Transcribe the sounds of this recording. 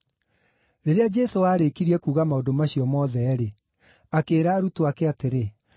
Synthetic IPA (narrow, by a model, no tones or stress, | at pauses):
ɾeɾead͡ʒɛsowaːɾekiɾiɛkuːɣamaondomaɕiɔmɔðɛːɾe | akeːɾaːɾutoakɛateɾe